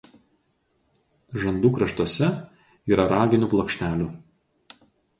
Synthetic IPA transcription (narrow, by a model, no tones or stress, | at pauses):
ʒɐnd̪uːkɾɐʃt̪oɔsʲɛ | iːɾɐɾɑːɡʲɪnʲʊˑplˠɔkʃʲt̪ʲæːlʲuːˑ